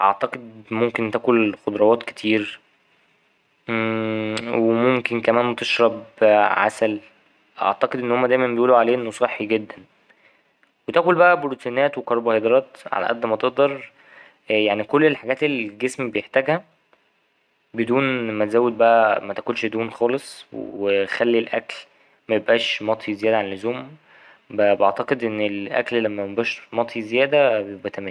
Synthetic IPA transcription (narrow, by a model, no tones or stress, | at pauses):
ʔɑ̰ʕt̪ɑqed̪̚momkent̪æːkolxod̪ˤɾˤɑwɑːt̪ke̥t̪ʰiːɾ | wemomkenkæmæːnwet̪eʃɾˤɑbʕa̰sæl | ʔɑ̰ʕt̪ɑqed̪ʔenːohomːæd̪æjmæmbejʔuːloʕaleːʔenːosˤɑħːiɡed̪ːæn | wet̪æːkolbæʔæbolt̪inæːt̪wekɑɾˤbɑhɑd̪ɾˤɑːt̪ʕa̰læ̰ʔæd̪ːmæt̪eʔd̪ˤɑɾˤ | jaʕnikolːelħaɡæːt̪elɡesmbejeħt̪æːɡhæ | bed̪uːnmæt̪ezæːwed̪̚bæʔæmæt̪ækonʃd̪uːnxɑːlesˤwexælːilʔækl | mæjebʔæːʃmɑt̪ˤʰizejæːd̪æʕanelːozoːm | bæbḛʕt̪ɑqed̪ʔenːelʔæ̰kllæmːæmebʔæːʃmɑt̪ʰˤizejæːd̪æbjebʔæt̪æmæː